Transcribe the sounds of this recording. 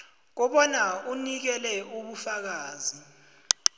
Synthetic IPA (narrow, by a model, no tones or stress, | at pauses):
k̬ɔɓɔnaunik̬ɛlɛuɓufak̬aːzi